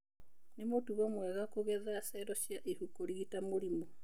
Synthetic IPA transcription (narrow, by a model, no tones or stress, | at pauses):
nemotuβamwɛɣakoɣɛðasɛɾɔʃjaʔehukoɾiɣitamoɾimo